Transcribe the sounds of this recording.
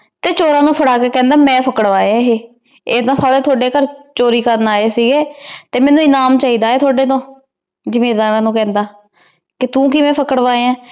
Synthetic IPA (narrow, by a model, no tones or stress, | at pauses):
t̪eːt͡ʃoːɾãːnũːpʰəɽaːkeːkɛ̃ːnd̪aːmɛ̃ːpʰəkəɽʋaːeãːɦeː | eːd̪ãːsaːɽeːt̪ʰoːɖeːkəɾt͡ʃoːɾiːkəɾnaːeːsiːɡeːt̪eːmɛ̃ːnũːɪnaːmt͡ʃaːiːd̪aːeːt̪ʰoːɖeːt̪õː | d͡ʒɪmeːɾd̪aːɾãːnũːkɛ̃ːnd̪aː | kɪt̪ũːkiːmɛ̃ːpʰəkəɽʋaːeãː